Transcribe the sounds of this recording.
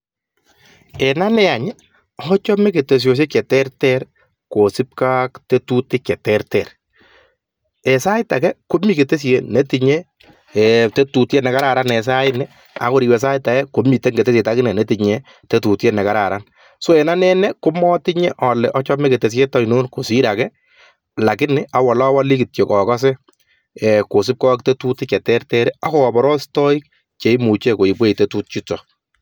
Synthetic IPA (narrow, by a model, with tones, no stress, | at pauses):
ɛna˦nɛ˦a˨ɲɪ˦ | ɔt͡ʃɔ˦mɛ˦ke˨te˨s̬jɔ˨s̬e˦kɛ˨tɛ˦ɾtɛ˦ɾ | ko˨sɪ˦p̚ka˦kte˦tu˦tɪ˦kɛ˨tɛɾtɛ˨ɾ | ɛ˨sa˦jɪ˦ta˨kɛ˦ko˦mi˨ke˨te˦s̬ene˦ti˨ɲe˦ | te˦tu˨tje˦nɛ˨ka˦ɾa˨ɾa˦nɛ˨s̬a˦ɪnɛ | a̰˦ko˦ɾi˨wɛ˨s̬a˦jɪta˨ɛ˦ko˨˦mi˨te˦ŋɡe˨te˦sje˨ta˦kɪ˦nɛ˨nɛ˦ti˨ɲɛ | te˦tu˨tjenɛ˨ka˦ɾa˨ɾa˦n | so˦ɛ˨na˦nɛ˦nɛ˦kʊ˦mɔ˦ti˦ɲɛ˦ʔɔ˨lɛ˨ʔɔ˦t͡ʃɔ˦mɛ˦ke˨te˨s̬ɛ˦tɔ˦i˨no˦nko˨si˦ɾa˨kɛ˦ | la˨kɪ˦nɪa˦wa˨lɔ˦wa˦li˦kɪ˨tjo˨kɔ˨kɔ˦s̬ɛ˦ | ɛko˨s̬ɪ˦p̚kɔ˦k̚te˦tu˦tɪ˦kɛ˨tɛ˦ɾtɛ˦ɾɛ˦a˦kɔ˦kɔ˨bɔ˨ɾɔ˦stɔ˦i˦k̚ | t͡ʃe˨i˦mu˨t͡ʃe˦ko˨i˨pwe˦i˨te˦tu˦t̚t͡ʃi˦t͡ʃɔ˨